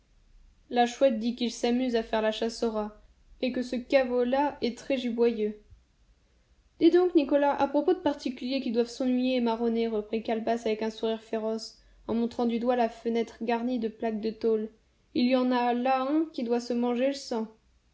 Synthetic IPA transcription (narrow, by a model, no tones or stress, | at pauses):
laʃwɛt̪̚d̪ikilsamyzafɛʁlaʃasɔʁa | ekəsəkavolaɛt̪χɛʒibwajø | d̪̥id̪ɔ̃knikɔlaʔapχɔpod̪əpaʁt̪ikʲyljekʲid̪wavsɑ̃nɥijemaʁɔneʁəpχikalbasavɛkɛ̃suʁiʁfeʁɔs | ɑ̃mɔ̃t̪χɑ̃d̪yd̪walafənɛt̪χəɡaʁnid̪əplak̚d̪ət̪ol | iljɑ̃nalaɛ̃kʲid̪wasəmɑ̃ʒeləsɑ̃